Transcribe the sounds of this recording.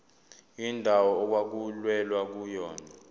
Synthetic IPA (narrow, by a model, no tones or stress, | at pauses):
indʱawɔːk̬wak̬ulwɛlwak̬ujɔːna